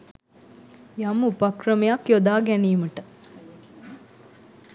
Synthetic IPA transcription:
jɐmupɐkɾɐmejakjod̪aːɡɛniːməʈə

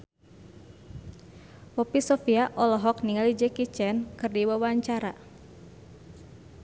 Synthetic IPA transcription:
wɔpisɔfiaʔɔlɔɦɔk̚niŋalid͡ʒɛkit͡ʃɛnkɨrdiwawaɲt͡ʃaɾa

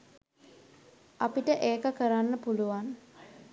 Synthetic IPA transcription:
apiʈəʔeːkəkəɾanːəpuluʋan

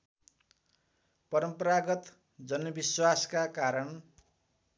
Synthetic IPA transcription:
pʌɾʌmpʌɾaɡʌt̪ | d͡zʌnmʌbiswaskakaɾʌn

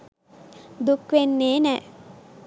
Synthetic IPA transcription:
d̪ukʋenːeːnɛ

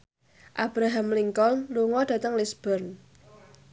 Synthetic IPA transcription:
ʔab̥ɾaɦamliŋkɔlluŋɔd̥ä̤t̪əŋlisb̥ɔrn

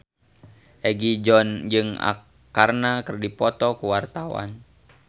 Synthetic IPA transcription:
ʔɛɡid͡ʒɔnd͡ʒɨŋa̰ | arnakərdipɔt̪ɔkuwart̪awa̰n

